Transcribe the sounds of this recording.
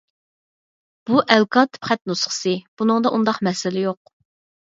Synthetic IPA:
b̥uʔɛlkʰɑt̪ʰɨ̥pχæt̪̚nusχə̥sɨb̥unɨŋd̪ɑʔund̪ɑqmɛsɪlɪjoq̚

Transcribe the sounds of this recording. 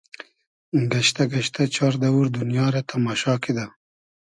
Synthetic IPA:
ɡaʃt̪aɡɐʃt̪ʰat͡ʃɑɾd̪awuɾd̪unjɑːɾat̪ʰamɑːʃɑːkid̪a

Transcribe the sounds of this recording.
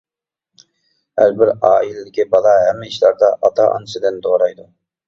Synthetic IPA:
hæ̰ɾbɪɾɑːilɪlɪkʲibɑlˠɑɦɛmːɪiʃlˠɑɾd̪ɑʔɑt̪ʰɑʔɑ̰nɨsɨd̪ɪnd̪oɾɑjd̪u

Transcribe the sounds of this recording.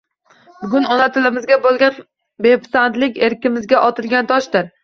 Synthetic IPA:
bʊɡʲʊnɒnat̪ʰɪlɪmɪzɡʲabolˠɡʲan | bepsand̪lɪkʲe̞ɾkʲɪmɪzɡʲaʔɒt̪ʰɪlɡʲant̪ʰɒʃd̪ɪɾ

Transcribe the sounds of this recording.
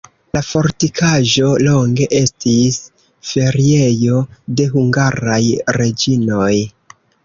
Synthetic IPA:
lafo̞ɾtikʰaʒo̞lo̞ŋɡe̞ʔe̞stis | fe̞ɾie̞jo̞de̞ɦuŋɡaɾajɾe̞d͡ʒino̞j

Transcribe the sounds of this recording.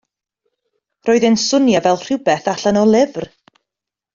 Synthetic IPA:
rɔːɨðɪnsʊnjavɛlˠr̥ɪwbɛθaɬanɔlˠɪvr

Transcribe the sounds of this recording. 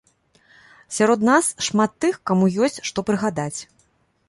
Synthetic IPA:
sʲaɾɔd̪nasʂmat̪ːɨxkamujɔsʲt͡sʲʂt̪ɔpɾɨɣad̪at͡sʲ

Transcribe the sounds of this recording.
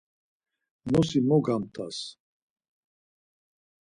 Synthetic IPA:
nɔsimɔɡamt̪ʼas

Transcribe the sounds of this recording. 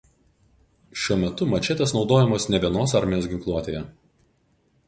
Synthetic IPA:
ʃʲuɔmʲɛt̪ʊmɐt͡ʃʲɛt̪ʲesnɒʊd̪oːjɛmoːsnʲɛbʲiɛnoːsɐɾʲmʲɪjoːsɡʲɪŋklˠuɔt̪ʲeːjɛ

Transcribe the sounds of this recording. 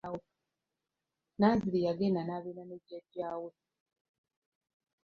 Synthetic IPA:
wo | naːzilijaɡenanaːβeːnaneɟaɟaːwe

